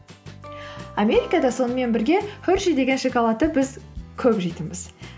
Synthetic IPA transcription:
amʲe̞ɾʲijkɑd̪ɑso̞nəme̞nbɪɾɡʲe̞hʰʏɾʃijd̪e̞ɡʲeʃekalˠɑt̪əbɪzkʲʰɵpʒijt̪əmɪz̥

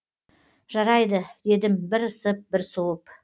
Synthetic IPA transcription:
ʒɑɾɑjd̪əd̪e̞d̪ɪmbɪɾəsəp̚bɪɾsuwˠəp

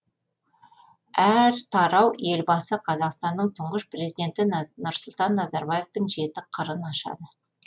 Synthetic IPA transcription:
æɾt̪ʰɑɾɑwe̞lbɑsəqʰɑzɑqst̪ɑnd̪əɴt̪ʰʊɴʁəʃpre̞zid̪e̞nt̪ɪnʊɾsʊlˠt̪ɑnːɑzɑɾbɑje̞ft̪əɴʒe̞t̪ɪqʰəɾənɑʃɑ̰d̪ə

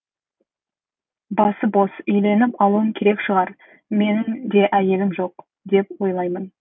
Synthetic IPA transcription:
bɑsəbo̞sʏjle̞nɪpɑlˠuəŋkʲʰe̞ɾe̞kʃəʁɑɾ | me̞nɪmd̪e̞ʔæje̞lɪmʒo̞q̚ | d̪e̞pwo̞jlˠɑjmən

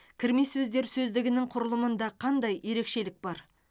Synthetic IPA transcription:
kʲʰɪɾme̞sɵzd̪e̞ɾsɵzd̪ɪɡʲɪnɪŋqʰʊɾəlˠəmənd̪ɑqʰɑnd̪ɑje̞ɾe̞kʃe̞lɪk̚bɑɾ

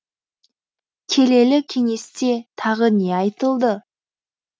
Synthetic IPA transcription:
kʲʰe̞le̞lɪkʲʰe̞ŋe̞st̪e̞t̪ʰɑʁəne̞ɑjt̪əlˠd̪ə

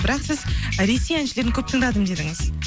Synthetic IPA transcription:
bɪɾɑqsɪzɾe̞se̞jænʃɪle̞ɾɪŋkʲʰɵp̚t̪ʰəɴd̪ɑd̪əmd̪e̞d̪ɪŋɪz

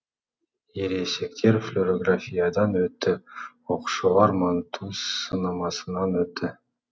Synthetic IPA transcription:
eɾese̞kt̪ʰe̞ɾflʲoɾoɡrafʲijad̪ɑnøt̪ːʏoqu̥ʃolˠɑɾmɑnt̪ʰuːsɯnɑmɑsɯnɑnøt̪ːʏ

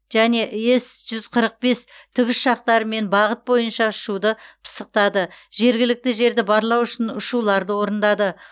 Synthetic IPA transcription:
ʒæne̞ʔje̞sʒ̥ʏzqʰəɾəq̚be̞st̪ʰʏɡʲɪsʃɑq̚t̪ɑɾəme̞nbɑʁət̪̚bo̞jənʃɑʊʃud̪əpʰə̥səq̚t̪ɑd̪əʒ̥e̞ɾɡʲɪlɪk̚t̪ɪʒe̞ɾd̪ɪbɑɾlˠɑwʊʃɪnʊʃulˠɑɾd̪əwo̞ɾənd̪ɑd̪ə

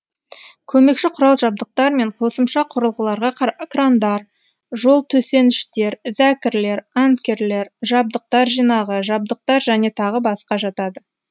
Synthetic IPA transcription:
kʲʰɵme̞kʃɪqʰʊɾɑlˠʒɑb̚d̪əq̚t̪ɑɾme̞ɴqʰo̞səmʃɑqʰʊɾəlˠʁəlˠɑɾʁɑkrand̪ɑɾ | ʒo̞lˠt̪ʰɵse̞nɪʃt̪e̞ɾzækʲɪɾle̞ɾant̪kʲe̞ɾle̞ɾʒɑb̚d̪əq̚t̪ɑɾʒijnɑʁəʒɑb̚d̪əq̚t̪ɑɾʒæne̞t̪ʰɑʁəbɑsqɑʒɑt̪ɑd̪ə

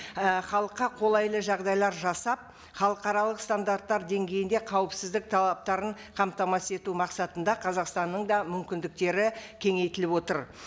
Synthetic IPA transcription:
əχɑlˠəqːɑqʰo̞lˠɑjlˠəʒɑʁd̪ɑjlˠɑɾʒɑsɑp̚ | χɑlˠəqɑɾɑlˠəqst̪and̪art̪ːɑɾd̪e̞ŋɡʲe̞jɪnd̪e̞qʰɑwəpsɪzd̪ɪk̚t̪ʰɑlˠɑp̚t̪ɑɾəɴ | qʰɑmt̪ɑmɑse̞t̪umɑqsɑt̪ənd̪ɑqʰɑzɑqst̪ɑnːəɴd̪ɑmʏmkʲɪnd̪ɪk̚t̪e̞ɾɪkʲʰe̞ŋe̞jt̪ɪlɪpwo̞t̪əɾ

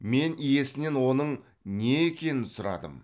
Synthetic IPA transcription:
me̞nije̞sɪne̞nwo̞nəɴ | ne̞ːkʲʰe̞nɪnsʊɾɑ̰d̪ə̰m

